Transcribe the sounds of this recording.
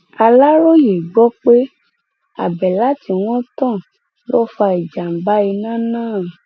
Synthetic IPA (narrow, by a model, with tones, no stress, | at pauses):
a˧la˦ɾo˦je˨ɡ͡bɔ˦k͡pe˦ | a̰˦˨bɛ˨la˦ti˧w̃ɔ̃˦tã˦˨ | lɔ˦fa˧i˨d͡ʒa˨m̩˨ba˨˦i˧nã˦˨nãː˦˨